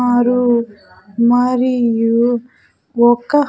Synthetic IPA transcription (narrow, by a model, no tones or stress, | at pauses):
aɾu | mɐɾiju | ɔkːɐ